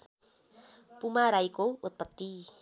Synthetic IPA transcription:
pumaɾajkowut̪̚pat̪ːi

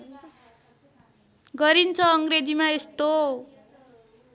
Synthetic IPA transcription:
ɡʌɾint͡sʰʌʌŋɡɾed͡zimaest̪o

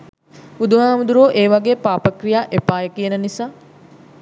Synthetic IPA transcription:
ud̪umaːmud̪uɾoːʔeːʋaɡeːpaːpəkrijaːʔepaːjəkijənənisaː

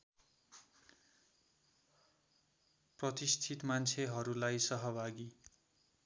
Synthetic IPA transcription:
prʌt̪ist̪ʰit̪mant͡sʰeɦʌɾulajsʌɦʌbʱaɡi

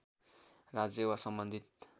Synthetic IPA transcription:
rad͡zewasʌmbʌnd̪ʱit̪̚

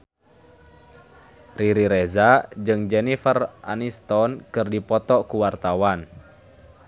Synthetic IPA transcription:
riɾiɾɛzad͡ʒɨŋd͡ʒɛnifəra̰nist̪ɔnkɨrdipɔt̪ɔkuwart̪awan

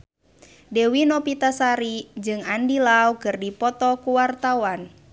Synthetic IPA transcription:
dɛwinɔpit̪asaɾid͡ʒɨŋandilawkɨrdipɔt̪ɔkuwart̪awan

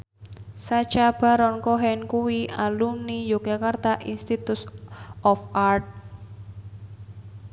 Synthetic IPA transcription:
sḁt͡ʃab̥a̤ɾɔnkoɦɛnkuwialumnijoɡakart̪aʔinst̪it̪usɔfʔart̪̚

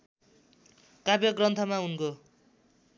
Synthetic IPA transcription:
kabjʌɡrʌnt̪ʰʌmaɦunko

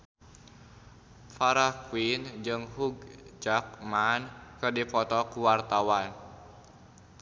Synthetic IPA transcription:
faɾahkuind͡ʒɨŋɦuɡd͡ʒak̚mankɨrdipɔt̪ɔkuwart̪awan

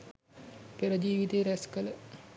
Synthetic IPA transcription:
peɾəd͡ʒiːʋit̪eːɾæskələ

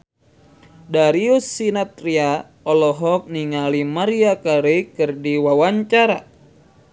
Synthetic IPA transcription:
daɾiusːinat̪ɾia | ɔlɔɦɔk̚niŋalimaɾiakaɾekɨrdiwawaɲt͡ʃaɾa

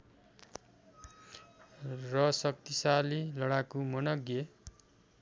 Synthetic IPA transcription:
rʌsʌk̚t̪isalilʌɽakumʌnʌɡje

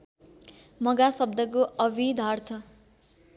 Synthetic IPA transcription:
mʌɡasʌb̚d̪ʌkoʔʌbʱid̪ʱart̪ʰʌ

